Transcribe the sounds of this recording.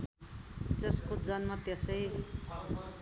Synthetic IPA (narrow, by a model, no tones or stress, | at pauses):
d͡zʌskod͡zʌnmat̪jʌsʌj